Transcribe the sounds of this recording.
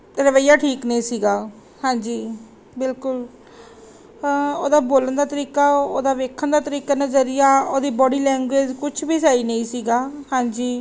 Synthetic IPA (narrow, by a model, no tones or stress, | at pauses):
ɾəʋəijaːʈʰiːknĩːsiːɡaː | hãːɲd͡ʒiː | bɪlkʊl | o̰ːd̪aːboːlənd̪aːt̪əɾiːkaːo̰ːd̪aːʋeːkʰːənd̪aːt̪əɾiːkaːnaːzəɾɪjaːoːd̪iːbɔːɖiːlɛ̃ːŋɡeːd͡ʒkʊt͡ʃʰbiːsaːinəĩːsiːɡaːhãːɲd͡ʒiː